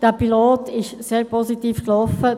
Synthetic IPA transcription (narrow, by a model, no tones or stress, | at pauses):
d̥ɛpiloːtɪʃseːɾpʰɔsitiːfklɔfə